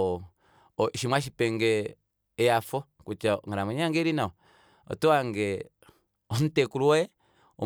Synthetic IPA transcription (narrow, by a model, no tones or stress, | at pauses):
ɔʃimwaʃ̬ipɛŋɡɛː | jafɔ | kut͡ʃaŋaɾamɔɲaŋɡɛɾinaɔ | ɔ̰tuaŋɡɛ | ɔn̩tɛkuɾuɛ | ɔ̰